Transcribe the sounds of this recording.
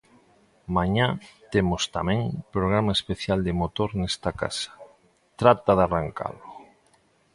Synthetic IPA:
maɲat̪emost̪amɛ̃ŋpɾoɣ̞ɾamaespeθjald̪emot̪oɾnɛst̪aka̰sḁ | t̪ɾat̪aðaraŋka̰lʊ

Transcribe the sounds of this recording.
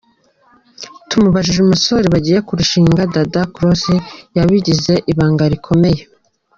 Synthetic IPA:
tumuβaʒiʒemuso̞ɾiβaɟiːje̞kuɾuʃiːŋɡadadakuɾosijaβiɟize̞ʔiβaːŋɡaɾikʰo̞me̞je̞

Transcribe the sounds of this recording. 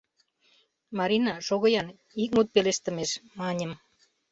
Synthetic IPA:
mɑɾinɑʃoɣɤ̆jɑn | ik̚ŋut̪̚peleʃt̪ə̆meʃmɑnʲə̆m

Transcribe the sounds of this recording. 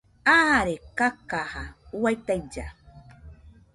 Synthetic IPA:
aɾekakahawajt̪ajd͡ʒa̰

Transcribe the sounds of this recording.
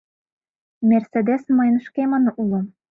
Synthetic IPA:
mʲæɾsæd̪esmɤ̆jɤ̆nʃkʲemɤ̆nɤ̆ʔulˠɤ̆

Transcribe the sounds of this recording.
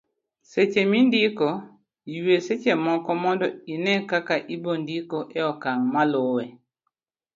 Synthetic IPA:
set͡ʃemindikɔ | jueset͡ʃemɔkɔmɔndɔinɛkakaʔibondikoʔɛɔkaŋmalowɛ

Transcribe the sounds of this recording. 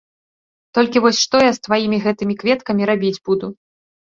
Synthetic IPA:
t̪ɔlʲkʲivɔsʲʂt̪ɔjast̪vajimʲiɣɛt̪ɨmʲikvʲɛt̪kɐmʲiɾabʲid͡zʲbud̪u

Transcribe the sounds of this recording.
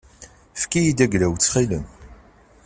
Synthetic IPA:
fkijid̪æɡɾæwt͡sːχilən

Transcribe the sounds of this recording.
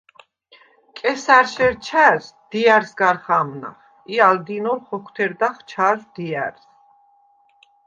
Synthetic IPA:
kʼɛsaɾʃɛɾt͡ʃʰæɾs | d̪̥iaɾsɡaɾχamna̰χ | iald̪inɔɾχɔkʰwt̪ʰɛɾd̪aχt͡ʃʰaɾzd̪iaɾs

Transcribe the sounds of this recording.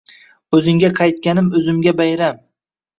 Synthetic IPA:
ɵzɪŋɡʲaqʰɑjt̪kʲanɪmɵzɪmɡʲabajɾam

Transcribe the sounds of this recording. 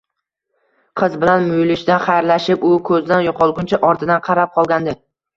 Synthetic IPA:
qʰɨzbɪlanmʊjlɪʃd̪aχajɾlaʃɪpʊkʰɵzd̪anjʊqʰɒlˠɡʲʊnt͡ʃʰaʔɒɾt̪ʰɪd̪anqʰɑɾap̚qʰɒlˠɡʲand̪ɪ

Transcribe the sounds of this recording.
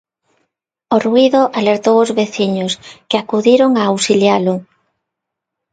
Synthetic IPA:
oruiðʊʔaleɾt̪owʊzβeθiɲʊskeakuðiɾoŋaːwsiljalʊ

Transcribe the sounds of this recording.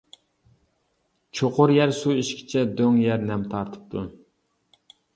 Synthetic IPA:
t͡ʃʰoqʰʊɾjæɾsuiʃkʲʰi̥t͡ʃʰɛd̪øŋjæɾnɛmt̪ʰɑɾt̪ʰɨ̥p̚t̪ʰu

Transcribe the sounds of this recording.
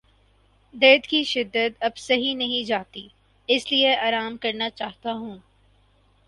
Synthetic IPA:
d̪eːd̪kiʃɪd̪ːət̪ɐbsɐɦĩnɐɦĩd͡ʒaːɦt̪i | ɪslieaːɾaːmkɐɾnat͡ʃaːɦt̪aɦũː

